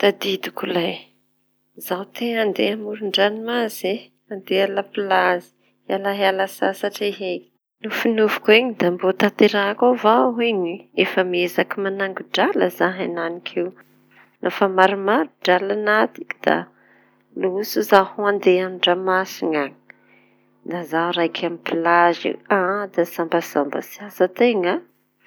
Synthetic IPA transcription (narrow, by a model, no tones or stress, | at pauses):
t̪ad̪id̪ukulaj | zawt̪eand̪eamuɾuɳɖ͡ʐanimaze | and̪ealapilazi̥ | alaɦalasasaʈ͡ʂeɦeki̥ | nufinuvu̥kueɲid̪ambot̪at̪eɾakavaɦeɲiefəmiezakimanaŋɡuɖ͡ʐaləzaɦananikʰew | nʔafamaɾimaɾuɖ͡ʐalanat̪i̥ki̥d̪̥a̰ | luusuzahuand̪eanɖ͡ʐamasiŋaɲi̥ | nazaɾajkʰamipilazḭad̪asambəsambə̰siasat̪eŋa